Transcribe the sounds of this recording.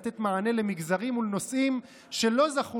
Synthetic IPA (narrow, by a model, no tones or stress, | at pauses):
t̪e̞t̪maʕane̞le̞miɡzaʁimulno̞sʔim | ʃe̞lo̞zaχu